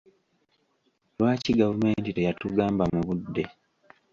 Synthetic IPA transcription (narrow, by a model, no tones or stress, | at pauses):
lwaːciɡavume̞ːntite̞jatuɡaːmbamuβudːe̞